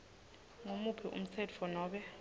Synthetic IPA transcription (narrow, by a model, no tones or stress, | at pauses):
ŋomupʰɛʔṵm̩t͡sʰɛtʰfɔnɔːɓɛ